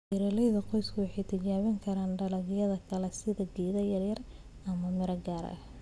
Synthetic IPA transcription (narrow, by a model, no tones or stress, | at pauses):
ɪɾɐlɛjðɐqɔjskʰɐwɑħɑjt̪ʰɪt͡ʃaːβɪŋkʰɐɾaːnɖɐlɐɣɪjɐðɐkʰɐlɛsɪðɐɡiːðɐjɐrjɐr | ɐmɐmɪɾɐɡaːɾɐ̰ʔɐh